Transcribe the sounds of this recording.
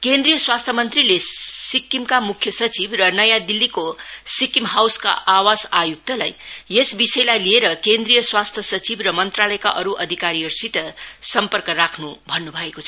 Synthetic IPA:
kend̪rijʌswast̪ʰʌmʌnt̪rilesikːimkamukʰjʌsʌt͡sibrʌnʌjad̪ilːikosikimɦawska̰ʔawasajuk̚t̪ʌla̰jesbisʌjlajlieɾʌkend̪rijʌswast̪ʰjʌsʌt͡sibrʌmʌnt̪ralʌjka̰ʔʌɾuʔʌd̪ʱikaɾiʌrsit̪ʌsʌmpʌrkʌrakʰnubʱʌnːubʱʌekot͡sʰʌ

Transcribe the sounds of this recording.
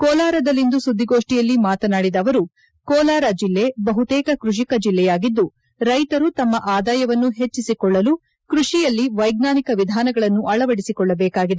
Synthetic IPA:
kɔːlaːɾɐd̪ɐlːind̪usud̪ʱːiɡoːʂʈijɐlːimaːt̪ɐnaːɽid̪ɐʋɐɾu | kɔːlaːɾɐd͡ʒilːe̞bɐɦut̪ɛːkɐkɾuʂ̬ikɐd͡ʒilːɛjaːɡid̪ːu | ɾɐjt̪ɐɾut̪ɐmːɐʔaːd̪aːjɐʋɐnːuɦe̞t͡ʃːisikɔɭːɐlu | kɾuʂijɐlːiʋɐjɡ̚naːnikɐʋid̪ʱaːnɐɡɐɭɐnːuʔɐɭɐʋɐɽisikɔɭːɐbɛːkaːɡid̪e

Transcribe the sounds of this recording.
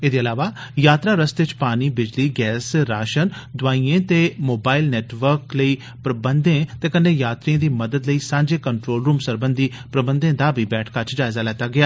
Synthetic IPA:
eːd̪iːəlaːʋaːjaːt̪ɾaːɾəst̪ɪt͡ʃpaːniːbɪd͡ʒliːɡɛːsɾaːʃənd̪ʊaːiẽːt̪eːmoːbaːɪlnɛːʈʋəɾkləiː | pɾəbənd̪ẽːt̪eːkənːeːjaːt̪ɾijãːd̪iːməd̪əd̪ləiːsãːɲd͡ʒeːkəɳʈɾoːlɾuːmsəɾbənd̪iːpɾəbənd̪ẽːd̪aːbʱiːbɛːʈʰkat͡ʃd͡ʒaːɪzaːlɛːt̪aːɡɪjaː

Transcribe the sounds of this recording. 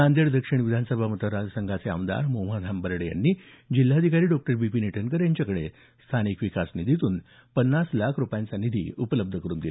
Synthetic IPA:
and̪eɽd̪əkʂiɳʋid̪ʱansəbʱamut̪əɾad͡zəsəŋɡʱat͡sea̰md̪a̰ɾmom̤ad̪ʱambəɾɽeja̰nːiː | d͡ʑilːaəd̪ʱikaɾiːɖɔk̚ʈəɾbipiːniʈʰənkəɾjaɲt͡ɕakəɽe | st̪ʰanikʋikasnid̪ʱit̪uːn | pənːaslakʰɾupjant͡sanid̪ʱḭupələb̚d̪ʱəkəɾuːnɡ̪ele

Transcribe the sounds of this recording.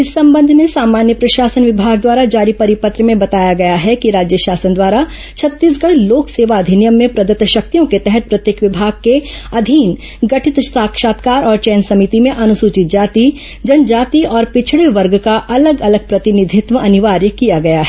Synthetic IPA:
ɪsːɐ̃mbə̃nd̪ʱmẽsaːmaːnjəpɾɐʃaːsənʋɪbʱaːɡ̚d̪waːɾad͡ʒaːɾipɐɾɪpət̪ɾəmẽbɐt̪aːjaɡɐjaɦɛkiɾaːd͡ʒjəʃaːsənd̪waːɾa | t͡ʃʰɐt̪ːiːs̬ɡɐɽloːkseːʋaːd̪ʱɪnjəmːẽpɾɐd̪ət̪ʃɐk̚t̪ijõket̪ɛɦɛt̪̚pɾɐt̪jeːkʋɪbʱaːɡ̚ke | ɐd̪ʱiːn | ɡɐʈʰɪt̪st̪aːkʃaːt̪kaːɾɔːɾt͡ʃɛːnsɐmɪt̪imẽʔɐnʊsuːt͡ʃɪt̪̚d͡ʒaːt̪i | d͡ʒɐnd͡ʒaːt̪iɔːɾpɪt͡ʃʰɽeʋɐɾɡkaʔɐləɡɐləɡ̚pɾɐt̪ɪnɪd̪ʱɪt̪ʋəɐnɪʋaːɾjəkijaɡɐjaɦɛ

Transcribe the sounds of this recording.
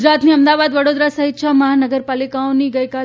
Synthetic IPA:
d͡ʒɾat̪niəmd̪aʋad̪ʋəɽod̪ɾasəɦit̪ʃaməɦanəɡəɾpalikaoniɡəjka

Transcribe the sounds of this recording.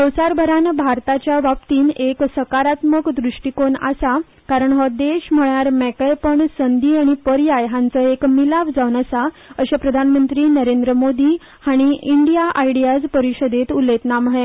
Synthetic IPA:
səwsaɾbʱəɾanbʱaɾt̪at͡ɕjaʋap̚t̪iːneksəkaɾat̪məkd̪ɾuʂʈikona̰sa | kaɾəɳɦɔd̪eɕm̤əɭjaɾmɛkəjpəɳsənd̪iːaɽ̃ipəɾjajɦãnt͡səekmilaʋd͡zaʋnəsa | əɕepɾəd̪ʱanmənt̪ɾiːnəɾend̪ɾəmod̪iː | haɽ̃iiɳɖijaʔaiɽijad͡zpəɾiɕəd̪et̪ulːet̪namɦe

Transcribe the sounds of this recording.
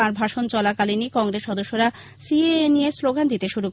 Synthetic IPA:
ãɾbʱaʃont͡ɕɔlakalinikɔŋɡɾesʃɔd̪oʃːoɾa | sieeniesloɡand̪it̪eʃuɾu

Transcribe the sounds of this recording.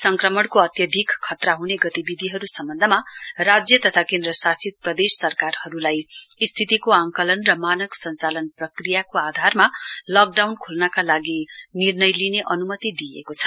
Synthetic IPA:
sʌŋkrʌmʌɽkoʌt̪jʌd̪ʱikʰːʌt̪raɦuneɡʌt̪ibid̪ʱiɦʌɾusʌmbʌnd̪ʱʌmarad͡zjʌt̪ʌt̪ʰakend̪rʌsasit̪̚prʌd̪esːʌrkarhʌɾulajist̪ʰit̪ikoãŋkʌlʌnrʌmanʌksʌnt͡salʌnprʌkrijakoad̪ʱarmalʌk̚ɖawnkʰolnʌkalaɡinirnʌjlineʔʌnumʌt̪id̪iḛkot͡sʰʌ̥

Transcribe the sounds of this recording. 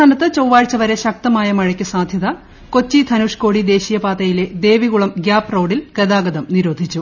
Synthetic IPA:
aːnɐt̪ːɨt͡ɕowʋaːɻt͡ɕːɐʋɐɾeɕɐk̚t̪ɐmaːjɐmɐɻɐkʲːɨsaːd̪ʱjɐðɐ | ko̞t͡ɕːit̪ʰɐnuːʂko̞ːɽid̪e̞ːɕijɐpaːt̪ɐjile̞d̪e̞ːʋiɣuɭɐmɡjaːpːro̞ːɽilked̪aːɡɐd̪ɐmniɾo̞ːd̪ʱit͡ɕːu

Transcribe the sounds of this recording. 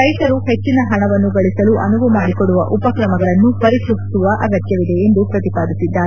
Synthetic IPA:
ɾɐjʈɐɾuhe̞t͡ʃːinɐɦɐɳɐʋɐnːuɡɐɭisɐluʔɐnuʋumaːɽikoɽuʋɐʔupɐkɾɐmɐɡɐɾɐnːupɐɾiʃɾupi̥suʋɐʔɐɡɐt̪jɐʋid̪eend̪upɾɐt̪ipaːd̪isid̪ːaːɾe

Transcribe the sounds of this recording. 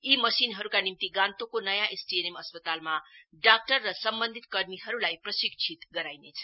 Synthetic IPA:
imʌsinɦʌɾukanimt̪iɡãnt̪okonʌjãʔesʈienemʌspʌt̪almaɖak̚ʈʌrːʌsʌmbʌnd̪ʱit̪̚kʌrmiɦʌɾulajprʌsik̚t͡sʰit̪ɡʌɾajnet͡sʰʌ

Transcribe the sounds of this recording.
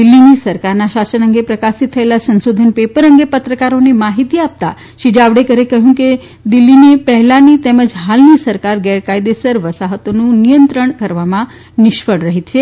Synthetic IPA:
d̪ilːinisəɾkaɾnaɕasənəŋɡepɾəkasit̪ʰːəelasə̃nsod̪ʱənpepəɾəŋɡepət̪ɾəkaɾonemaɦit̪iːap̚t̪a̰ | ʃid͡ʑaʋɽekəɾekəɦjũːke | d̪ilːinepəɦlaniːt̪eməd͡ʑɦalnisəɾkaɾɡɛɾkajd̪esəɾʋəsaɦət̪onũnijənt̪ɾəɳkəɾʋamã | niɕfəɽɾəɦit̪ʰʃʰe

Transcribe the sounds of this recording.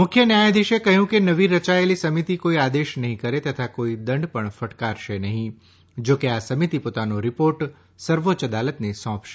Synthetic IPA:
mʊkʰjənjajd̪iʃekəɦjũkenəʋiɾət͡ʃaelisəmit̪ikoiad̪eʃnəɦĩkəɾet̪ət̪ʰakoid̪əɳɖpəɳfəʈkaɾʃenəɦĩ | d͡ʒokeasəmit̪ipot̪anoɾipoɾʈ | səɾʋot͡ʃəd̪alət̪nesɔ̃pʰʃe̥

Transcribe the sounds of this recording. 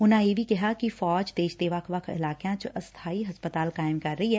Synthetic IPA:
ʊnɦãjebʱikɛɦakifɔːd͡ʒd̪eːʃd̪eːʋakʰʋɐkʰɪ̰laːkjãt͡ʃʔɐst̪ʰaːiɦɐspət̪aːlkaːɪmkɐɾːɐɦiɦɛː

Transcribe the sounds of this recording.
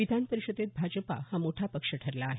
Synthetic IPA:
id̪ʱanpəɾiɕəd̪et̪̚bʱad͡ʑəpa̰hamoʈʰapəkʂəʈʰəɾlaːɦe

